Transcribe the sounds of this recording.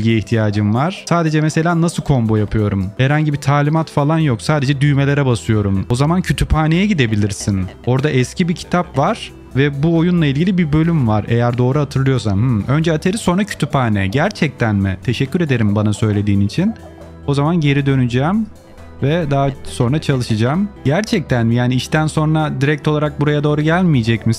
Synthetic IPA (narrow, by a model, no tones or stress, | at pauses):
iɟiiçt̪ʰijaːd͡ʒɯmvaɾ̥saːd̪e̞d͡ʒɛmɛse̞lʲaːnasɯlˠkʰo̞mbojapʰɯjo̞ɾumhɛɾhaɲɟibit̪ʰaːlʲimat̪falˠanjo̞ksaːd̪e̞d͡ʒɛd̪yjme̞lʲeɾɛbasɯjo̞ɾumo̞zamancʰyt̪ʰypʰaːnejɛɟid̪e̞bilʲiɾsino̞ɾd̪aʔɛscibicʰi̥t̪ʰapvaɾ̥ | vɛbuo̞junlˠailʲɟilʲibibø̞lʲymvaɾḛjæɾd̪o̞ːɾuhat̪ʰɯɾlˠɯjo̞samhɯø̞nd͡ʒɛat̪ʰeɾiso̞nɾacʰy̥t̪ʰypaːnḛɟæɾt͡ʃʰɛc̚t̪ʰænmḭt̪ʰe̞ʃɛcʰːyɾed̪e̞ɾimbanasø̞jlʲe̞d̪iːnit͡ʃʰin | o̞zamanɟe̞ɾid̪ø̞nyd͡ʒaːm | vɛd̪aɦaso̞nɾat͡ʃʰalˠɯʃɯd͡ʒaːmɟæɾt͡ʃʰɛc̚t̪ʰænmijaːniiʃt̪ʰænso̞nɾad̪iɾɛc̚t̪ʰo̞lˠaɾak̚buɾajad̪o̞ːɾuɟælʲmijed͡ʒɛcmi